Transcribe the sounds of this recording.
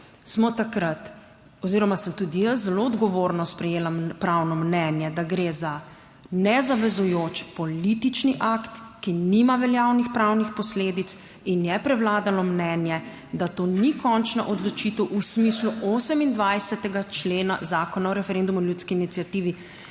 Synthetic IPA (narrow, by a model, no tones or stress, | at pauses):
smɔt̪akɾat̪ | ɔziɾɔmasəmt̪ud̪ijəszɛloɔd̪ɡɔʋoːɾnɔspɾɛjeːlampɾawnɔmnɛnjɛd̪aɡɾeːza | nɛzaʋɛzujoːt͡ʃpɔlit̪it͡ʃniʔakt̪ | kinimaʋɛljawnixpɾawnixpɔsleːd̪it̪s | injɛpɾɛwlaːd̪alɔmnɛnjɛ | d̪at̪oːnikɔnt͡ʃnaʔɔd̪lɔt͡ʃit̪ɛwʔusmisluʔoːsəmind̪ʋajsɛt̪ɛɡat͡ʃleːna̰zaːkɔnaɔɾɛfɛɾend̪umuinljut̪skiːnit̪sijat̪iːʋi